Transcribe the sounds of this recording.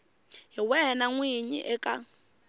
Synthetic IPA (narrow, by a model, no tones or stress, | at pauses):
ɦiwɛnaŋwiɲḭʔɛkʼa